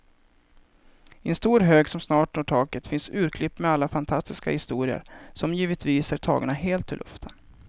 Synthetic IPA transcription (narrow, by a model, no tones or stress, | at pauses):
ɪɛnst̪uːɾɦøːɡsɔmsnɑːʈnoʈʰɑːkət̪fɪnsʉ̟ːɾkʰlɪpːmɛalːafant̪ʰast̪ɪska̰hɪst̪uːɾɪə̰ɾsɔmjiːvət̪viːsæʈʰɑ̰ːɡaɳaɦeːlt̪ʰːɪlʔɵ̰ft̪ʰən